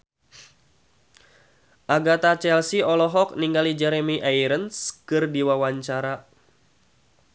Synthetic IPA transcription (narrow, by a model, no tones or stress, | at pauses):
ʔaɡat̪at͡ʃɛlsiɔlɔɦɔk̚niŋɡalid͡ʒɛɾemiʔajɾənskɨrdiwawaɲt͡ʃaɾa